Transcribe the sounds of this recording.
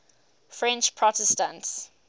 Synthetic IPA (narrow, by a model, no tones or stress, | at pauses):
fɹɛ̃nt͡ʃpʰɹɔtɛstə̃nts